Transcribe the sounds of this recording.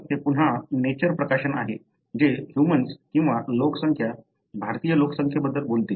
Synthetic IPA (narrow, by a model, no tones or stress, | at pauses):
t̪epuɳ̤anet͡ɕəɾpɾəkaɕənaɦe | d͡ʑehjumənskĩw̃ʋalokəsəŋkʰja | bʱaɾt̪ijəloksəŋkʰjabəd̪ʱːəlbolt̪e